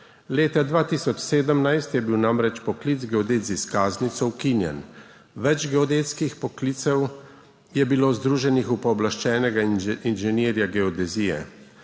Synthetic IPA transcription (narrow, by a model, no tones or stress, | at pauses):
leːt̪ad̪ʋaːt̪isɔt͡ʃseːd̪əmnajst̪jɛbiwnamɾɛt͡ʃpɔklit̪zɡɛɔd̪eːziskaːznit̪sɔwkinjɛ̰n | ʋɛt͡ʃɡɛɔd̪eːt̪skixpɔkliːt̪sɛw | jɛbiloːzd̪ɾuːʒɛnixupɔːblaʃt͡ʃɛːnɛɡainʒɛneːɾjaɡɛɔd̪ɛzijɛ̰